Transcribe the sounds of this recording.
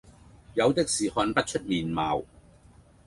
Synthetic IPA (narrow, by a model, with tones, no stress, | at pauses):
jɐ˨˧wt̪ɪ˥k̚siː˨˩hɔː˧npɐ˥t̚t͡ʃʰɵ˥t̚miː˨˩nmaː˨w